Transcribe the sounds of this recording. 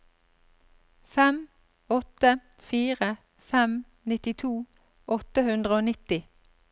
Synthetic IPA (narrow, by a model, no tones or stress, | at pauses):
fɛm | ɔt̪ə | fiːʁə | fɛm | nɪt̪ɪt̪ʰuː | ʔɔt̪əhʉnd̪ʁəoːnɪt̪ɪ